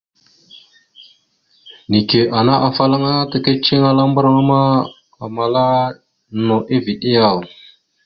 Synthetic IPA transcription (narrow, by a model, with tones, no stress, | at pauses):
ni˨ke˨ʔa˨na˦ʔa˨fa˦la˦ŋa˦ta˨ke˦t͡ʃi˦ŋa˦la˦mbə˦ɾa˦ŋa˦ma˦ | a˨ma˨la˦ | no˨ʔi˦vi˨ɗi˦ja˨